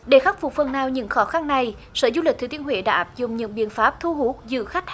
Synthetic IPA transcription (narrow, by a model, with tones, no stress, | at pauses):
ɗe˧˩xa˦˥k̚fʊ˨˩k͡p̚fə˨˩nnaː˨˩wɲɨ̰˧˥ŋxɔ˨˦xa˧nːa˨˩j | səː˧˩˦zu˧li˨˩k̚t̪ʰɨ˨˦t̪ənhwḛ˧˩˦ɗa̰ː˧˦ʔaː˦˥p̚zʊ̰˧˨ŋ͡mɲɨ̰˧˥ŋɓḭ˧˨ənfaː˦˥p̚t̪ʰu˧ɦu˦˥k̚zɨ̰˧˨xa˦˥jk̟̚